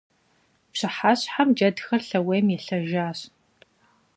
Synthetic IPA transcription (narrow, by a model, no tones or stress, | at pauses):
pɕɨħaːɕħamd͡ʒɐdxɐrɬɐwejmjɛɬɐʒaːɕ